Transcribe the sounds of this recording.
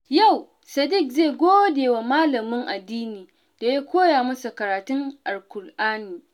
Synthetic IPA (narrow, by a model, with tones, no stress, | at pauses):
ja˦˨w | sɐ˨dɪ˦˨kze˦˨ɡʷoː˦deː˨wa˨maː˦lɐ˨mɪ˦ŋʔa˨dːiː˦niː˨ | d̥a˨ja˦kʷoː˦jaː˨mɐ˦su˨kɐ˨ɾaː˨tʊ˦ŋʔa˨rkʷʊ˨rʔaː˦niː˨